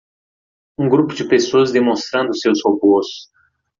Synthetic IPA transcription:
ũɡɾupʊd͡ʒɪpesoɐzd̪emõst̪ɾɐ̃nd̪ʊsewshobosʊ̥s

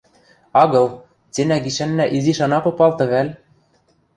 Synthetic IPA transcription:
ɑɣɤ̆lˠ | t͡sʲenæɡiʃænːæʔiziʃɑnɑpŏpɑlˠt̪ɤ̆βælʲ

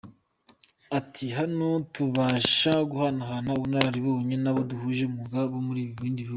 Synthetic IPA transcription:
atʰiɦanotuβaːʃaɡuhanaɦanauβunaɾaɾiβouɲenaβoduɦuʒeumuɡaβomuɾiːβiβiːndiβihuɡɡu

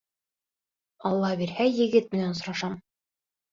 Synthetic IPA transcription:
ɑlˠːɑbiɾhæjɘ̆ɡɘt̪̚mɘ̆nænsŏɾɑʃɑm

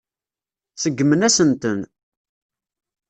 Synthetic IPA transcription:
səɡːmənæsənt̪ən

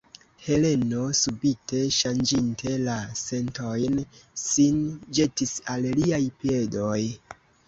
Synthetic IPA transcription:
he̞le̞no̞subite̞ʃand͡ʒintʰe̞lase̞nto̞jnsind͡ʒe̞tisalliajpie̞do̞j

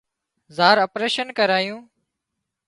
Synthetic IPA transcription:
zaːɾəpɾeːʃənkəɾaːjũː

